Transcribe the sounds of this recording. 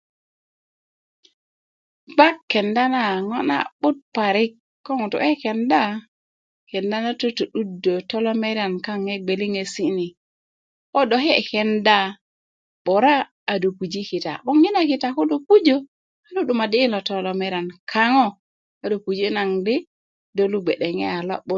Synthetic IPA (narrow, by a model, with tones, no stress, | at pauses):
ɡ͡ba˦kːɛ˨nda˦na˦˨ŋɔ˦na̰˨bʊ˦t̚pa˨ɾɪ˦kː | ɔ˦ŋʊ˨tṵ˨ɛ˦kɛ˨nda˦ | kɛ˨nda˦na˦to˦to˨ɗu˦dːo˨tɔ˦lɔ˦mɛ˦ɾa˨nka˦ŋe˦ɡ͡be˨li˦ŋe˨si˦ni˨ | o˦do˨ɦe˦˨kɛ˨nda˦˨ | ɓɔ˨ɾaː˦˨ | do˨pu˨d͡ʒi˦ki˨ta̰˨bɔ˦ŋːi˦na˨ki˨ta˨ko˦do˨pu˦d͡ʒo˦ | a˦lu˦du˨ma˨diː˦lɔ˨tɔ˨lɔ˨me˦ɾa˨nkʰa˦ŋɔ˦ | a˨do˨pu˨d͡ʒi˦na˨ŋdi˦ | do˦lu˦ɡ͡be˨ɗe˨ŋe˦a˨lɔ̰˦ɓʊ˦t